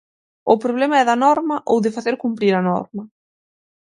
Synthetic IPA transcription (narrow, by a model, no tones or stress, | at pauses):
ʊpɾoβ̞lemɐɛðɐnɔɾmɐʔowðɪfaθeɾkumpɾiɾɐnɔ̰ɾmɐ